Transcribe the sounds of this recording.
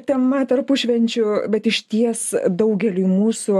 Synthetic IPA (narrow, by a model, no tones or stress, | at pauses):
t̪ʲɛmɐt̪ɐrpʊʃʲʋʲɛnʲt͡ʃʲʊbʲɛt̪ɪʃʲt̪ʲiɛsd̪ɐʊɡʲɛlʲumuːsʊ